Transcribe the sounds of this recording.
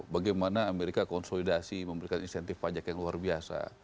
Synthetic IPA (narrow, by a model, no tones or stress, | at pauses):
baɡajmanaːmeɾikakɔnsolidasiməmbəɾikaninsɛnt̪ɪfpad͡ʒakjaŋluarbiasa̰